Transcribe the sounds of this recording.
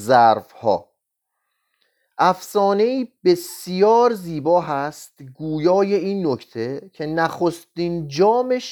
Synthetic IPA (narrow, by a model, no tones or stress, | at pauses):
zæɾfhɒ̰ː | ʔæfsɒːne̞iːb̥e̞sjɒːɾziːbɒːɦæst̪ɡuːjɒːje̞iːnːocʰt̪ʰe̞cʰe̞næxo̞st̪iːnd͡ʒɒːmeʃ